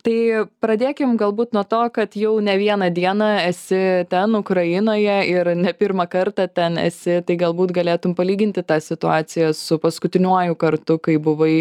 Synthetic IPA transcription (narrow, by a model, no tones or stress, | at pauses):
t̪ɐɪpɾɐd̪ʲeːkʲɪmɡɐlˠbuːt̪nuɔt̪oːkɐt̪jɛʊnʲɛʋʲiɛnɐd̪ʲiɛnɐɛsʲɪt̪ʲɛnʊkɾɐjɪnoːjɛɪɾnʲɛpʲɪɾmɐkɐrt̪ɑt̪ʲɛnɛ̰sʲɪt̪ɐɪɡɐlˠbuːt̪ɡɐlʲeːt̪ʊmpɐlʲiːɡʲɪnʲt̪ʲɪt̪ɑːsʲɪt̪ʊɑːsʲɪjɛsʊpɐskʊt̪ʲɪnʲuɔjʊkɐrt̪ʊkɐɪbʊʋɐɪ